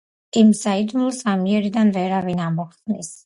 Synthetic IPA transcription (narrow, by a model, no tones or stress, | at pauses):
imsaid̪mulˠɔsamiɛɾid̪anvɛɾavinamɔχʰt̪ʼnis